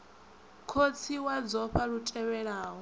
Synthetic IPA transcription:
kʰot͡sʰiwad͡zɔɸaɺutʼɛwɛɺaːɦɔ

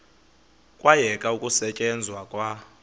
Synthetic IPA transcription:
kʼwajɛkʼaukʼusɛt͡ʃʼɛnd͡zʱwakʼwa

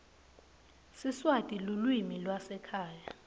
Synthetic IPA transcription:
siswatʼilulwimilwasɛkʰaːja

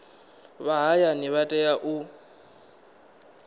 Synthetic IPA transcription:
βaɦajaniβatʼɛjaʔʊ

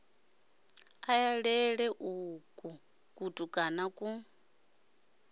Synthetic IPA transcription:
ajaɺɛɺɛʔukʼu | kʼutʼukʼanakʼu

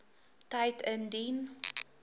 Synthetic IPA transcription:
tɐjtʰəndin

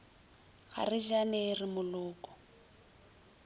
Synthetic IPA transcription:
ɣa̰rɪd͡ʒanerɪmʊlʊːkɔ̥

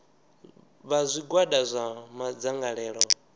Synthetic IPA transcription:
βazʷiɡwaɗazʷamad͡zaŋɡaɺɛːɺɔ

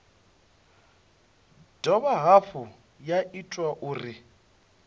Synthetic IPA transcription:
d̥ɔβaɦaɸʊ | jaʔitʼwaʔuːri

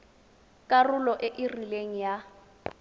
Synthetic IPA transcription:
kʼarʊlɔʔɪʔɪrileŋ̩ja

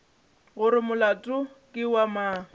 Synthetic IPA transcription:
ɣʊɾɪmʊlatʼʊ | kʼɪwamaː

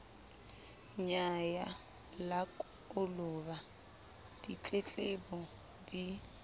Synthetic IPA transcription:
ɲaja | lakʼ | ʊlʊba | d̥it͡ɬʼet͡ɬʼɪbɔ | di

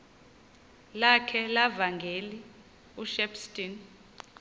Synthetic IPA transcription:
lakʰɛlavaŋɡʱeli | uʃɛpʰstʼin

